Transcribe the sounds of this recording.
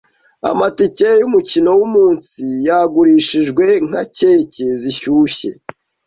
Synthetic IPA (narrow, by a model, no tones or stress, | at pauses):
a̰maticejumucino̞wumuːnsijaɡuɾiːʃiʒɡwe̞ŋ̥ha̰ce̞ːce̞ziçuːçe̞̰